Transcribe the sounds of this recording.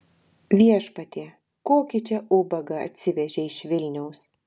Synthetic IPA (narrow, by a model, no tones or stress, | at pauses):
ʋʲiɛʃpɐt̪ʲeː | koːkʲɪt͡ʃʲɛʔʊbɐɡɐɐ̰t̪ʲsʲɪʋʲɛʒʲɛɪʃʋʲɪlʲnʲɛʊs